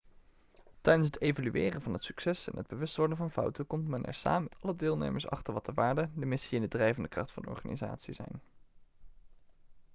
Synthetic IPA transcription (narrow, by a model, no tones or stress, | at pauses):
tɛjdənsɦətejvolyʔɪːrənvɑnɦətsy̥ksɛsɛ̰nɦəd̚bəʋɵstʋɔɹdənvɑnfʌ̰wtəkɔmtmɛnɛ̰ɹsa̰ːməmɛtɑlədɪːlˠnḛjməɹsɑ̰χtəɹʋɑtəɹʋaːɹdədəmɪsiɪndədrɛjvəndəkrɑχtfɑ̰ndɔ̰ɹχa̰ːnḭza̰ːtsizɛ̰jn